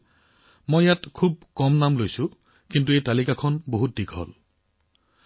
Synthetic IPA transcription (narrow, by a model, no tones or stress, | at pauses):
mɔjatkʰub̚kɔmnamlojsu | kint̬uejtalikakʰɔnboɦut̚dikʰɦɔ̰l